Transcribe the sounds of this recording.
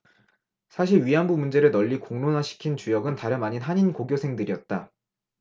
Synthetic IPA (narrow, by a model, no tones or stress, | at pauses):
sʰaɕʰiɭɥiɦanbumund͡ʑe̞ɾɯɭnʌʎːikoŋnonɦaɕʰi̥kʰint͡ɕujʌɡɯntaɾjʌmaɲinɦaɲinkoɡjosʰe̞ŋdɯɾiʌt̚t͈a